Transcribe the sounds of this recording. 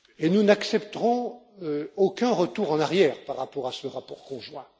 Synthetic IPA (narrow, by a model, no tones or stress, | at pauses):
enunaksɛpt̪əʁɔ̃ | øokʲɛ̃ʁət̪uʁɑ̃naʁjɛːʁpaʁːapɔʁasəʁapɔʁkɔ̃ʒwɛ̃